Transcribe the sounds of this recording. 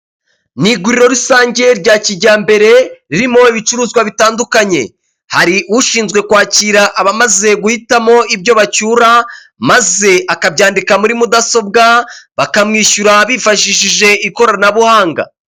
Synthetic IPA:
niɡuɾiɾo̞ɾisaːɲɟe̞ɾɟaːciɟaːmbe̞ɾe̞ɾiɾimo̞iβit͡ʃuɾuːzɡwaβitaːndukaɲe̞̰ | haɾiʔuʃiːnzɡwe̞kwaːciɾaʔːβamaze̞ɡuhitamo̞ibɟo̞βacuːɾa | maze̞ʔakabɟaːndikamuɾimudaso̞b̚ɡaβakamŋiːʃuɾaβifaʃiʃiʒe̞iko̞ɾanaβuhaːŋɡa̰

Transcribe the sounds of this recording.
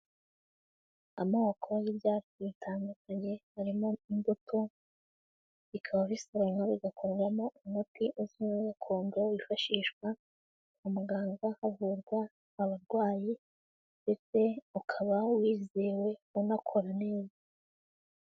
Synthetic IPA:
a̰mawakʰoβajiβɟaːiβitʰaːndukaɲe̞haɾimo̞inbotʰo | βikʰaβaβisoɾaŋaβiɡakʰoɾɡwamo̞umhutiʔuzimaɡakʰo̞ːndowifaʃiːʃkwa | umuɡaːŋɡahavuɾɡwaː | βaɾɡwaːji | nde̞t͡se̞ukʰaβawiːzeːwe̞unakʰo̞ɾane̞ːza

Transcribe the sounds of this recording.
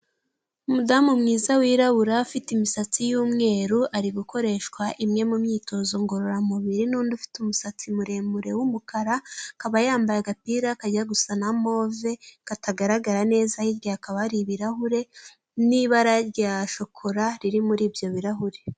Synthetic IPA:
umudaːmumŋiːzawiːɾaβuɾafitimisat͡sijuːmŋe̞ːɾuʔaɾiɡukʰo̞ɾe̞ʃkwaʔimŋe̞mumɲiːto̞zo̞ŋɡo̞ɾo̞ɾamuβiɾinuːndufi̥tumusat͡simuɾe̞ːmuɾe̞wumukaɾakaβajaːmbajaɡapiːɾakaɟaɡusanamo̞ːve̞kataɡaɾaɡaɾane̞ːzahiɾɡaakaβaɾiβiɾaɦuɾe̞ | niβaɾaɾɟaʃo̞kʰoɾaɾiɾimuɾiːbjo̞βiɾaɦuɾe̞

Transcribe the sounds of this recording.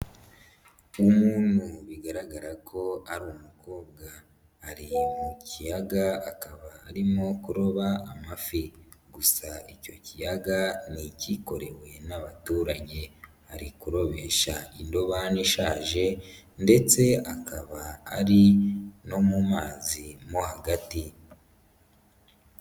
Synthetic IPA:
umuːnhuβiɡaɾaɡaɾakʰo̞aɾumuko̞ːb̚ɡaː | ɾimucijaɡaakaβaːɾimo̞kuɾo̞βaːmafi | ɡusaicocijaɡaniciko̞ɾe̞we̞naβatuːɾaɟe̞haɾikuɾo̞βe̞ʃaindo̞βaniʃaːʒe̞nde̞t͡se̞akaβaaɾino̞mumaːzimohaɡati

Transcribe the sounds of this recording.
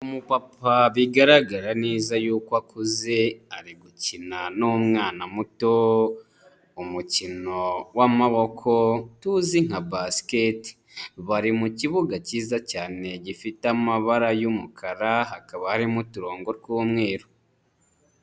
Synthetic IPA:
umupapaβiɡaɾaɡaɾane̞ːzajuːkwakuze̞aɾiɡucinanomŋaːnamuto | umucino̞wamaβo̞kʰo̞tuziŋ̥abasketi̥ | βaɾimuciβuɡaciːzacaːne̞ɟifitamaβaɾajumukʰaɾaɦakaβahaɾimutuɾo̞ːŋɡo̞ɾɡuːmŋe̞ːɾo

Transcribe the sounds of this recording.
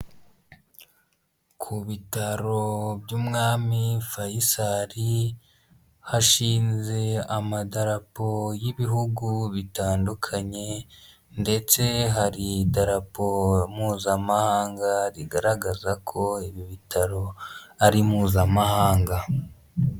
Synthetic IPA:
kʰuβitaɾo̞bjuːmŋaːmifajisaɾi | haʃiːnze̞amadaɾapo̞jiβihuɡuβitaːndukʰaɲe̞ | nde̞t͡se̞ɦaɾidaɾapomuːzamahaːŋɡaɾiɡaɾaɡazakʰo̞iβiβitʰaɾo̞aɾimuːzamahaːŋɡa

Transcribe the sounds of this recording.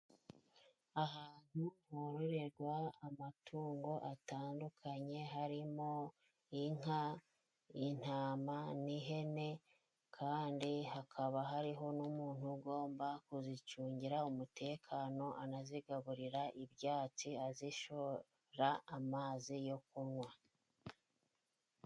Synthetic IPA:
aɦaːn̥huhoɾoɾeɾɡwaːmatʰuːŋɡo̞ʔataːndukʰaɲe̞ɦaɾimo | iŋ̥a | in̥aːmaniɦe̞ne̞ | kʰaːndiɦakʰaβaɦaɾiɦo̞numuːn̥huɡo̞ːmbakuzit͡ʃuːɲɟiɾaumute̞ːkʰaːno̞ʔanaziɡaβuɾiɾaʔiβjaːt͡siaziʃo | ɾaːmaːzijo̞kuɾŋwa

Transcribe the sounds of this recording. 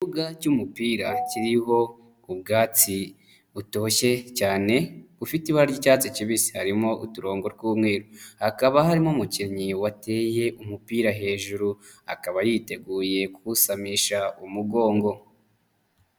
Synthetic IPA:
ivuɡacumupiːɾa̰ciɾiɦo̞ | ubɡaːt͡si | βuto̞ːçe̞caːne̞βufitiβaɾaɾɟiːcaːt͡siciβisi̥haɾimo̞ʔṵtuɾo̞ːŋɡo̞ɾɡuːmŋe̞ːɾohakaβahaɾimomuciɾɲiwate̞ːje̞ʔumupiːɾaɦe̞ːʒuɾu | a̰kaβajiːte̞ɡuːje̞kuusamiʃaumuɡo̞ːŋɡo̞

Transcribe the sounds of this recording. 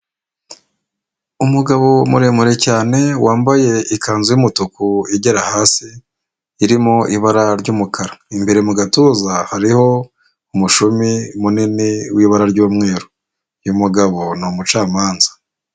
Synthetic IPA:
umuɡaβo̞muɾe̞muɾe̞caːne̞waːmbaje̞ikʰaːnzujumutukuiɟeɾahaːsiː | ɾimoʔiβaɾaɾɟuːmukʰaɾaimbe̞ɾe̞muɡatuzahaɾiho̞ | umuʃumimuniniwiːβaɾaɾɟuːmŋe̞ːɾo | jumuɡaβo̞numut͡ʃaːmaːnzḁ

